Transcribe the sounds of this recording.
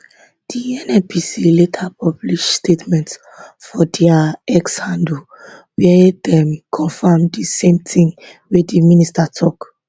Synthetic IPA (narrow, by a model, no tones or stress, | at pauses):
d̥iɛ̃nɛpʰisiletʰapʰɔbliʃstetmɛ̃nts | fɔdɛaɛkshãndu | wɛdɛ̃mkʰɔ̃nfamdisẽmt̪ʰĩŋwediministatʰɔk